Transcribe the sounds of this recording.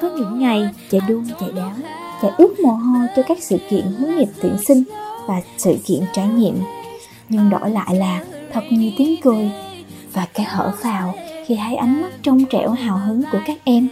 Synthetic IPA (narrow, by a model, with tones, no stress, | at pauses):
kɔ˨˦ɲɨ̰˧˥ŋːa˨˩jt͡ɕa˧˩jɗu˧˩əŋza̰˧˨˩jɗɔ˨˦t͡ɕa̰ː˨˧˩jʔɨ˦˥ək̚mɔ˨˩ɦo˧jt͡ɕɔ˧kaː˦˥k̚sɨ̰˧˨kḭ˧˨ənɦɨ˨˦ŋɲi˨˩p̚t̪ḭ˧˩ənsï˧ŋ̟vaː˨˩sɨ̰˧˨kḭ˧˨ənt͡ɕaː˧˩jɲḭ˧˨əm | ɲɨ˧ŋɗɔ̰˧˩la̰ː˧˨jlaː˨˩t̪ʰə˨˩t̚ɲɨ˧t̪i˨˦əŋkɨ˨˧˩j | vaː˨˩kaː˨˦hə̰ː˧˩faː˨˩wxi˧˩ɦa˧˩jʔa˨˦jŋ̟mə˦˥t̚t͡ɕɔ˧wŋ͡mt͡ɕɛ̰˧˩wɦaː˨˩wɦɨ˨˦ŋku˧˩əkaː˦˥k̚ʔɛ˧m